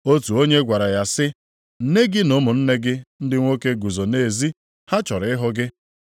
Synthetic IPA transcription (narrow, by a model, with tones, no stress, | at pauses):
o˦tu˨o˦ɲe˦ɡʷa˨ɾa˨ja˨sɪ˦ | n̩˦ne˦ɡɪ˦no˦mʊ˨n̩˦ne˦ɡɪ˦n̩˦dɪ˦ŋʷo˦ke˦ɡu˨zo˨ne˦˨zi˦ | ha˦t͡ʃɔ˨ɾɪ˨ɪ˦ɦʊ˦ɡɪ˦